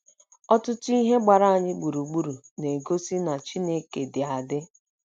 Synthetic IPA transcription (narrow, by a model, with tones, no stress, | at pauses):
ɔ˦tʊ˦tʊ˦i˦ɦe˦ɡ͡ba˨ɾa˦a˨ɲɪ˦ɡ͡bu˨ɾu˨ɡ͡bu˦ɾu˨ | ne˨ɡo˦si˦na˨t͡ʃi˦ne˦ke˨dɪ˨a˨dɪ˦